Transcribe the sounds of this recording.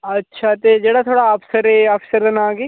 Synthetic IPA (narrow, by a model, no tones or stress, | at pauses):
ɐtːʃʰat̪ed͡ʒeːɽat̪ʰoːɽaɐpsəɾɛɐfsəɾd̪ɐnãːɡeː